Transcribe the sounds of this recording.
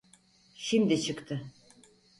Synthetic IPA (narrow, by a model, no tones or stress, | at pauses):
ʃimd̪it͡ʃʰɯkt̪ʰɯ